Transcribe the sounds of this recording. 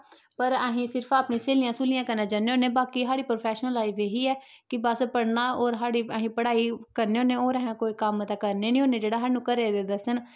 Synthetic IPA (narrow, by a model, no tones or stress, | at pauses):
pəɾəɦĩːsɪɾpʰaːpnĩːseːlɪjãːsuːlijãːkənaːd͡ʒaːneːoːneːbaːkiːɦaːɽiːpɾoːpʰɛːʃənlaːiːbeːɦiːɛː | kɪbəspəɽnaːoːɾɦaːɽiːəːɦĩːpəɽaːiːkəɾneːõːneːoːɾə̃ɦãːkoːiːkəmt̪aːkəɾneːnĩɦoːneːd͡ʒeːɽaːɦaːnũːkəɾeːd̪eːd̪əsən